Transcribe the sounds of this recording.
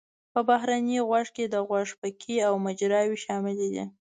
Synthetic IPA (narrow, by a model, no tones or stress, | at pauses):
pəbaɦɾaniɣwaʐked̪əɣwaʐpəkʰiawmad͡ʒɾɑwiʃɑmɪlid̪ḭ